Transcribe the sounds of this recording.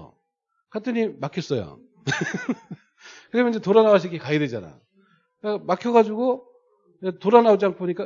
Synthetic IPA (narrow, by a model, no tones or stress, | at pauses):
kat͈ʰɯɲimakʰjʌs͈ʌjo̰ | kɯɾʌmenid͡ʑe̞toɾanawaɕ̬ʰikekaɡedwed͡ʑana̰ | makʰjʌɣad͡ʑuɡo | etoɾanaod͡ʑiankʰooɲik͈a